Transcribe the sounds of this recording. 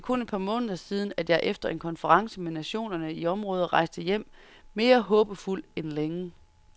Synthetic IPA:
kʰoned̥̚pʰɑ̈mɔ̽ːnðˠɐsiːð̞ˠn̩æd̥jɑ̈ɪʔefd̥ɐe̝nkʰɒ̽nfəʁɑ̈ŋsəmenæɕo̝̰ːnɐnəiɒ̽mʁɔ̽ːð̞ˠʁɑ̈ɪsd̥əjem̰ | me̝ːɐɦɔ̽ːb̥əful̰enleŋə

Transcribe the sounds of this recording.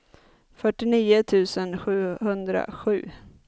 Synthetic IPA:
fœʈːɪniːʊt̪ʰʉ̟ːsənɧʉ̟ːhɵnd̪ɾa̰ɧʉ̟ː

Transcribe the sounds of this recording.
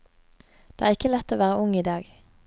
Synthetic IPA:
d̪̥eːʔæːʁɪkəlɛt̪ːoːʋæːʁəʔʊŋiːd̪ɑːɡ

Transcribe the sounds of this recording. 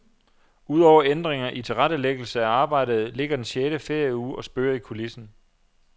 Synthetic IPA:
uð̞̰ˠɒʊ̰ɐend̥ʁeŋɐʔit͡sʰe̝lʁadəleɡ̥l̩səæɑ̈ːb̥ɑ̈ɪ̰d̥ð̞̩ˠle̝ɡ̥ɐd̥enɕeːɾəfe̝ɐ̰juːɒ̽sb̥øːɐikʰolisn̩

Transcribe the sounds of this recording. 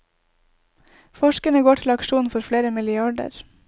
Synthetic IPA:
fɔʃkəɳəɡoːʈʰɪlɑkʃuːnfɔɾfleːɾəmɪlɪɑɖə̰ɾ

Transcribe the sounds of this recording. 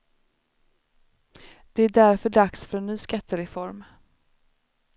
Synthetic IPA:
d̪̥ɛæɖæɾfœɖaksfœɾɛnːyːskat̪ʰːəɾɛfɔɾm

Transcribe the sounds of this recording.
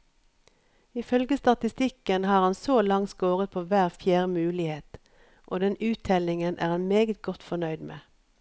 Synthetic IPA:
ɪfœlɡəst̪ɑt̪ɪst̪ɪkənhɑːʁhɑnsoːlɑŋt̪skoːʁət̪̚pʰoːʋæːʁfjæːʁəmʉːlɪheːt̪ | ʔoːd̪ɛnʉːt̪ʰːɛlɪŋənʔæ̰ːʁhɑnmeːɡət̪̚ɡɔt̪fɔnœʏd̪mḛː

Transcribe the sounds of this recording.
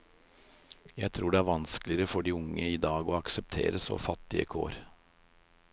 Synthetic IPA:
jæɪt̪ʰɾuːɖeːæːɾʋɑnsklɪəɾəfɔɖiːʊŋəiːd̪ɑːɡoːɑksɛp̚t̪ʰḛːɾəso̰ːfɑt̪ːɪə̰kʰo̰ːɾ

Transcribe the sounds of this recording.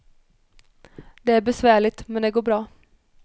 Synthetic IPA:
d̪ɛæɾbɛsvæːɭɪt̪mɛnd̪ɛːɡoːɾbɾɑː

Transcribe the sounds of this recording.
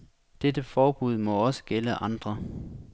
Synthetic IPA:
d̥ed̥əfɒːb̥uð̞̰ˠmɒ̽ɒ̽sə̥ɡ̥eləʔɑ̈nd̥ʁɐ

